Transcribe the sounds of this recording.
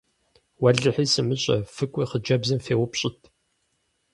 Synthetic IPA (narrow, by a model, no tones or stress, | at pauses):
wɐɮɨħiːsɨmɨɕʼɐ̰fɨkʷʼiːχəd͡ʒɐbzɨmfeːwʊpɕʼɪtʰʼ